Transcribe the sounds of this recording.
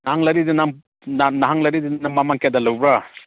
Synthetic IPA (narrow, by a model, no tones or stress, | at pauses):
nahaŋlɐɾidinam | nanaɦaŋlɐɾidinamamaŋkedalawbɾa